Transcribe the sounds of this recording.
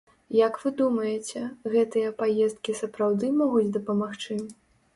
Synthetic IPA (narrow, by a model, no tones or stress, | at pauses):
jɐkvɨd̪umɐjɛt͡sʲɛɣɛt̪ɨjɐpajɛst̪̚kʲisɐpɾawd̪ɨmɔɣud͡zʲd̪ɐpɐmaxt͡ʂɨ